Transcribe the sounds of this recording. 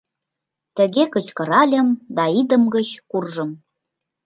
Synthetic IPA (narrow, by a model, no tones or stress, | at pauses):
t̪ə̆ɣekə̆t͡ɕkɤ̆ɾɑlʲə̆md̪ɑid̪ə̆mɡət͡ɕkurʒə̆m